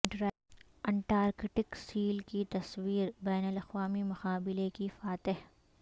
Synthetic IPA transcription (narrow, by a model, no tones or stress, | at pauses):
ɐ̃ɳʈaːɾɡɪʈɪksiːlkit̪ɐswiːɾbɛːnəlɐxʋaːmimʊxaːbɪlekifaːt̪ɪɦ